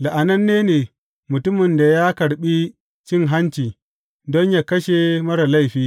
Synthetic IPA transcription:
la˨ʔa˨nɐ˦nːeː˦neː˨ | mʊ˨tʊ˦mɪ˨nda˨jaː˦kɐ˨ɽɓi˦ | t͡ʃɪ˦˨ŋɦa˦nt͡ʃiː˨ | dɔ˦ɲjaː˨kɐ˦ʃe˨mɐ˦ɾa˨la˦jɸiː˦

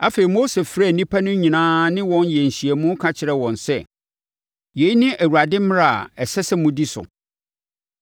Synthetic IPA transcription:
a˦fe˨ɾi˨mo˦se˨fɾa˦˨nĩ˦pʰa˦nʊ̃˦ɲĩ˨nãː˦nɪ̃˦wɔ̃˦njɛ˨n̩˨ɕi˨ɛ˨mũ˦kʰa˦t͡ɕʰɪ˨ɾɛ˦wɔ̃˨nsɛ̰˦ | je˨˦i˦nɪ̃˦ʔæ˨wu˨a˨dɪ̃˦m˦ɾa˦˨a̰˨ɛ˨sɛ˦sɛ˦mʊ̃˦di˦sʊ̰˨

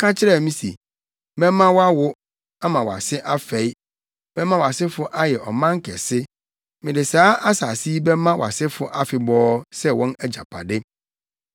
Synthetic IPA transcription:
kʰa˦t͡ɕʰɪ˦ɾɛ˦mĩ˦sḭ˨ | mɛ̃˦mã˦wa˦wʊ˦ | a˦mã˨wa̰˨sɪ˦ʔa˦fɛ˨˦i˦ | bɛ̃˦mã˦wa˨sɪ˦fʊ˦ʔa˦jɛ˨ɔ˨mã˦ŋ̩˦kʰɛ˨sɪ˦ | mɪ̃˨dɪ˨saː˦ʔa˦sa˨si˦bɛ˦mã˦wa̰˨sɪ˦fʊ˦ʔa˦fɪ˨bɔː˦sɛ˦wɔ̃˦nɛ˦d͡ʑa̰˨pʰa̰˨dɪ˦

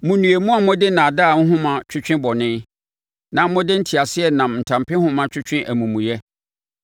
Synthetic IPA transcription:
mʊ̃˨nũ˨e˨mũ˦a˨mʊ̃˦dɪ˦nã˨daː˦˨ŋ̩˦ɦʊ̃˦mã˨t͡ɕᶣʰʊ˦t͡ɕᶣɪ̃˦bɔ˨nɪ̃˦ | nã˨˦mʊ̃˦dɪ˦n̩˦tʰi˨a˨sɪ˦ɛ˨nã˨m˨n̩˨tʰã˨mpʰɪ̃˦hʊ̃˦mã˦t͡ɕᶣʰʊ˦t͡ɕᶣɪ̃˦ʔæ˨mũ˨mũ˨jɛ˦

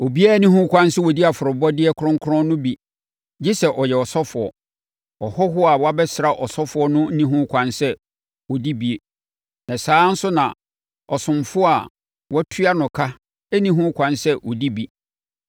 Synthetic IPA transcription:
o˨bi˦a˦˨˦nĩ˦ɦũ˦kʷʰã˦n˦sɛ˦wɔ˨di˦a˨fʊ˨ɾʊ˨bɔ˦dɪ˦ɛ˦kʰɾʊ̃˦ŋ̩˦kʰʊ˦ɾɔ̃˦nʊ̃˦bi˨ | d͡ʑi˦sɛ˨ʔɔ˨jɛ˨ɔ˨sɔ˦fʊ˨ɔ̰˨ | ɔ˨hɔ˦ɦʊ˦a˨wɔ˦a˦bɛ˦sɾa˦ʔɔ˨sɔ˦fʊ˨˦ɔ˦nʊ̃˦nĩ˦ɦũ˦kʷʰã˨nsɛ˦ | wɔ˨di˦bi˨e˨ | nã˨saː˨˦n̩˦sʊ˦nã̰˨ | ɔ˨sʊ̃˨mfʊ˦a˨ | wɔ˦tʰu˦a˦nʊ̃˨kʰa˦ | ɛ˦nĩ˦ɦũ˦kʷʰã˨nsɛ˦ʔɔ˨di˦bi˨

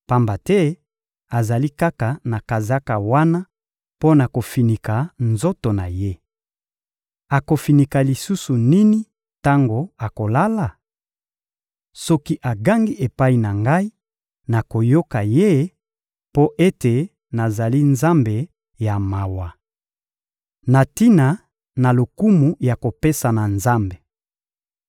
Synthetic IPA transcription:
pa˦mba˨tɛ˦ | a˨za˨li˦ka˦ka˨na˨ka˨za˦ka˨wa˦na˦ | po˦na˨ko˨fi˨ni˨ka˨nzo˦to˨na˨je˦ | a˨ko˨fi˨ni˨ka˨li˨su˦su˨ni˦ni˦ | ta˦ŋɡo˨a˨ko˨la˦la˨ | sɔ˦ki˦ʔa˨ɡa˦ŋɡi˦ʔe˨pa˦i˨na˨ŋɡa˦i˦ | na˨ko˨jo˦ka˨je˦ | po˦ʔe˦te˨ | na˨za˨li˦nza˦mbe˨ | ja˨ma˨wa˨ | na˨ti˦na˨ | na˨lo˨ku˦mu˨ja˨ko˨pe˦sa˨na˨nza˦mbe˨

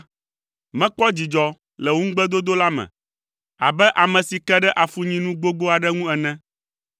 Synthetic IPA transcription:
mɛ̃˦k͡pɔ˦d͡ʑi˨d͡ʒɔ˦ | lɛ˨wu˦ŋ̩˦ɡ͡bɛ˦d̪o˦d̪o˦la˦mɛ̰̃˨ | a̰˨bɛ˦ʔa˨mɛ̃˨si˨kɛ˦ɖɛ˦ʔa˨fu˦ɲĩ˦nũ˦ɡ͡bo˦ɡ͡bo˦a˨ɖɛ˦ŋũ˦ɛ˨nɛ̃˦

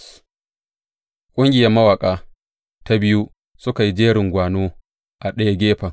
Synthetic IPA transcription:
kʷʼʊ˦ŋɡʲɪ˨jɐ˦mɐ˦wa˨kʼaː˨ | ta˦bɪ˦ju˦ | sʊ˦ka˨ji˦d͡ʒeː˦ɽɪ˨ŋɡʷaː˨noː˦ | ʔa˨ɗɐ˦ja˦ɡʲeː˦ɸɐ˨ŋ

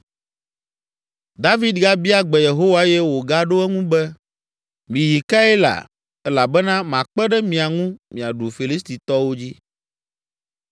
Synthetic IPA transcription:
d̪a˦vi˦d̪ɡa˦bi˦a˦ɡ͡bɛ˨je˨ɦo˦wa˦jɛ˦wo˨ɡa˦ɖo˦ɛ˦ŋũ˦bɛ˦ | mĩ˨ji˨ka˦ɛ˦la̰˨ | ɛ˦la˨bɛ˦nã˦mã˨k͡pɛ˦ɖɛ˦mĩ˨a˨ŋũ˦mĩ˨a˨ɖu˨fi˨li˦st̪i˨t̪ɔ˦wo˦d͡ʑi˦

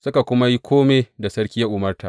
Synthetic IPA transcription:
sʊ˦ka˨kʷʊ˦ma˦ji˦kʷʰoː˦meː˨da˨sɐ˦ɽkʲi˦ja˦ʔʊ˨mɐ˦rta̰˨ʔ

